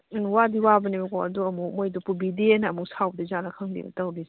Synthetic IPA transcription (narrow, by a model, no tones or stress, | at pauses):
wadiwabɐnibɐkɔɐduɐmumojdupubideenɐɐmuŋsawbədɐzanɐkʰaŋdḭbɐ̰tɐwdis